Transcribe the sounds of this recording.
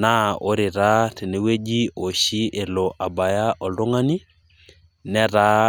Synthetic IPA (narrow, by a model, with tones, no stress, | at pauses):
na˦o̰˦ɾɪ˨ɾa˦te˨ne˨we˦d͡ʒi˦o˨ʃi˦ʔe˨lo˨ʔa˨ba˨ja˦ʔɔ˨ldo˦ŋa˦ni˦ | nɛ˦ɾa˦